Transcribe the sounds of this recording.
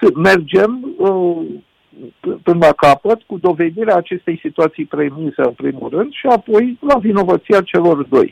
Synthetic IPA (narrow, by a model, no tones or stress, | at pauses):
sme̞rd͡ʒe̞mə | ɨpɨnlakapət̪kud̪o̞ve̞d̪iɾeaːt͡ʃe̞st̪e̞jsit̪uat̪sijpɾe̞mizeɨnpɾḭmṵlrɨnd̪ʃiapo̞jlavino̞vət̪siat͡ʃe̞lo̞rd̪o̞̰j